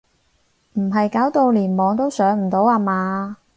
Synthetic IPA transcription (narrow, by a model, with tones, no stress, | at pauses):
m̩˨˩ɦɐ˨jkaː˨˥wt̪o˧wliː˨˩nmɔː˨˧ŋt̪o˥wsœː˨˥ŋm̩˨˩t̪o˨˥waː˧maː˨˧